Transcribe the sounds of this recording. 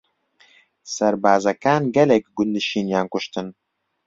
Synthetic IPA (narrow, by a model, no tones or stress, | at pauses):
sɐɾbaːzɐkʰaːnɡɐlɐkʲɡʷʊnd̪ɨʃinjaːŋkʷʊʃt̪ʰɨn